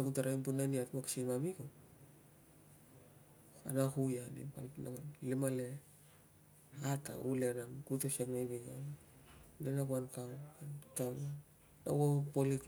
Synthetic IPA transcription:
aɡutaɾajmpunaniatmaksimamiko | a̰nahujanḭpalna̰alimale | ata̰ulenakutesaknaβiŋan | lenaɡuankawankaw | na̰wopolik

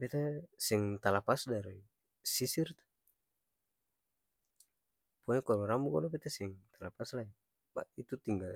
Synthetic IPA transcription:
bɛt̪asɛŋt̪alapasdaɾi | sisirt̪ḁ | pɔɛkɔlɔɾambukɔlɔpɛt̪asɛŋt̪alapaslai | ba̰ʔit̪ut̪iŋɡal

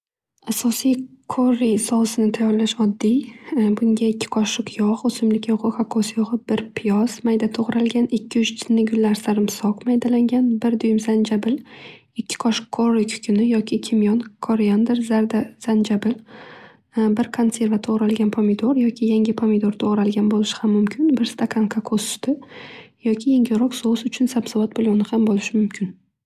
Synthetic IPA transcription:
asɒsijkʰoɾːijsɒsɪnɪt̪ʰajɒɾlaʃɒd̪ːijbʊŋɡʲaɪkʲʰːɪ̥qʰɒʃʊqʰjɒʁosɪmlɪkʲjɒʁɨχakʰːosjoʁɨbɪɾpʰɪjɒzmajd̪at̪ʰoʁɾalˠɡʲanɪkʲʰːɪʊt͡ʃt͡ʃ̪ʰɪnːɪɡʲʊlːaɾsaɾɪmsɒqmajd̪alaŋɡʲanbɪɾd̪ʊjɪmzand͡ʒabɪl | ɪkʲʰːɪ̥kʰɒʃkʰːoɾɪkʲʰʊ̥kʰʲʊnɪjɒkʲʰɪkʲʰɪmjɒnkʰɒɾjand̪ɪɾzaɾd̪az̥and͡ʒabɪl | bɪɾkʰonse̞ɾvat̪ʰoʁɾalɡʲanpʰomɪd̪oɾjɒkʲʰɪjaŋʲɪpʰomɪd̪oɾt̪ʰoʁɾalɡʲanbolɪʃɪ̥hamːʊmkʲʰɪnbɪɾst̪ʰakʰaŋkʰakʰost̪ʰɪjɒkʲʰɪjeŋʲɪɾɒqsosʊt͡ʃʰʊnsabsɪvat̪̚bɪlˠonɪhambolɪʃɪmʊmkʲʰɪn

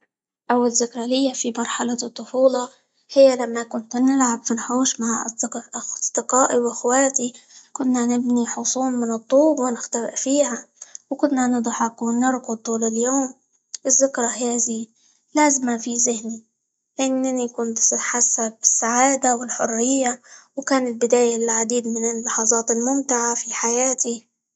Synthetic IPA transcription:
ʔawːalzɪkɾˤɑlɪjːafimɑɾˤħalat̪ˤːʊfuːlɑ | hɪjːalamːakʊnt̪nɪlʕabfinħuːʃmaʕʔa̰ɪɾzd̪ɪqɑːʔiwʔaxwaːt̪ikʊnːanɪbniħʊsˤuːmmɪnɨt̪ˤːuːbwɪnɪxt̪awɪ̰ʔfiːhawkʊnːanɨd̪ˤħɑqwɪnɪɾqʊt̪ˤuːlɪljoːm | ʔɪzːɪkɾˤɑhjaaziː | laːzɪmafizɪhni | lɪʔɪnːanikʊnt̪ħasːab̚ɪsːaʕaːd̪awɪlħʊrːɪjːawkaːnɪlbɪd̪aːjalʕad̪iːd̪mɪnɪlːɑħɑːzˤɑːt̪ɪlmʊmt̪ɪʕafiħajaːt̪i

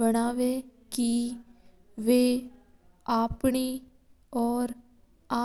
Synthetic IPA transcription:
bəɽ̃aːʋeːki | ʋeː | aːpɳi | ɔːɾ | aː

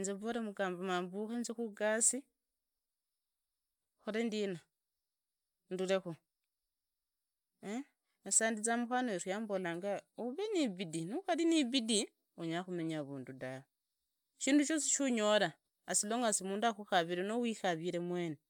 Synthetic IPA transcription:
nzeβoɾemuɡaːmbomambuxenzixuɡasi | xoɾendina | ndule̞xu | esaːndit͡samuxanoeɾwjaːmbolaŋɡauβeniβidinuxaliniβidi | uɲaxumeɲaβuːndudaβo | ʃiːnduʃo̞siʃuɲo̞laː | siloːŋɡasimuːndaxuxaβiɾenowixaβiɾe̞mweːne

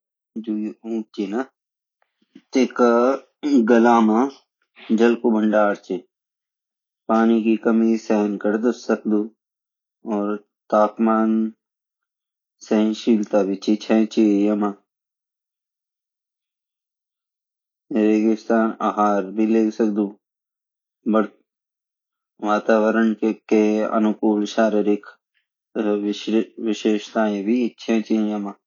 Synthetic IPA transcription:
d͡ʒuũːk̚t͡ʃina | t̪eka | ɡɐlaːma | d͡ʒɐlkobʱəɳɖaːɽt͡ʃe | paːnikikəmisɛɦənkəɾd̪əsək̚d̪u | ɔːɾ | t̪aːpmaːn | sɛɦənʃiːlt̪abʱit͡ʃit͡ʃʰɛ̃ːt͡ʃijɐma | ɾeːɡɪst̪aːna̰ɦaːɾbʱileːksək̚d̪u | bəɽ | ʋaːt̪aːʋəɾəɳkeɐ̰nʊkuːlʃaːɾəɾɪkʰ | ʋɪʃeːʃt̪aːẽbʱiɪtːʃʰẽt͡ʃijəma

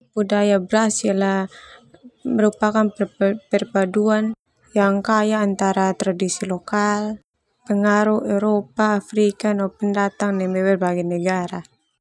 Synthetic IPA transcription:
budajabɾasialah | məɾupakanpɛrpaduan | jaŋkajaːnt̪aɾat̪ɾadisilokal | pəŋaɾuhɛɾopaːfɾikanapəndat̪aŋnɛmbɛwɛrbaɡɛnəɡaɾa

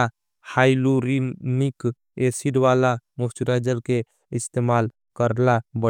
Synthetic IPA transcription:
a | haːjluɾimik | eːsiɖʋaːlamʊft͡ʃuɾad͡ʒəlke | ɪst̪eːmaːl | kəɾlabə

